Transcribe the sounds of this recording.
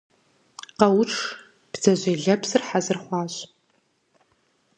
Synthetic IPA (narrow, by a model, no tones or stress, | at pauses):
qɐwʊʈ͡ʂʰ | b̥z̥ɐʑʷeːɮɐpsɨrħazɨrχʷɑːɕʼ